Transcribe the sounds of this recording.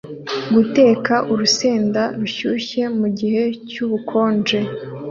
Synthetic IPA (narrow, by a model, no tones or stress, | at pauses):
ɡute̞ːkaʔuɾuseːndaɾuçuːɕe̞muɟihe̞cuβukʰo̞ːnd͡ʒe̞